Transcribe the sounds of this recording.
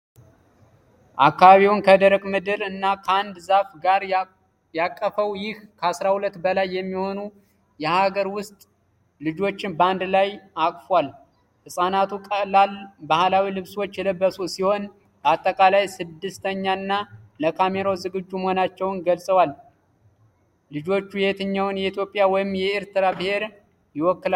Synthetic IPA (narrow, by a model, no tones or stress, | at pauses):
ʔakːaβaβiwʊnkʰəd̪əɾəɡʼmɨd̪ɨɾɨnːakʰəand̪zafɡaɾ | jakʼːəfəwjɪhkʰəasɾahulət̪ːbəlajːɛmːiho̞nu | jɛhaɡəɾwʊst̪ʼ | lɨd͡ʒo̞t͡ʃːɪnband̪lajakʼfwal | hɨsʼanat̪ʰukʼəlalbahlawilɨβswot͡ʃːjɛləbːəsusiho̞n | bəat̪ʼːəkʼalajsɨd̪ːɨst̪ʰəɲːanːaləkʰameɾo̞zɨɡɨd͡ʒːumhonat͡ʃːɛwnɡəlsʼəwal | lɨd͡ʒo̞t͡ʃːujɛt̪ʰɨɲːawʊnjɛit̪jo̞pʼːjawɔjɪmjɛeɾt̪ɨɾabɨhe̞ɾ | jɪwɔkːɨla